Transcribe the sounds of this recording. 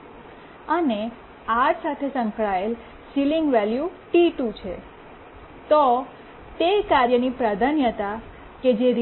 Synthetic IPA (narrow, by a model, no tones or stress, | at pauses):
əne | aɾsat̪ʰesə̃ŋkɭael | siliŋɡʋɛljuʈiʈut͡ʃʰḛ | t̪o | t̪ekaɾjənipɾad̪ʱanjət̪a | ked͡ʒeɾ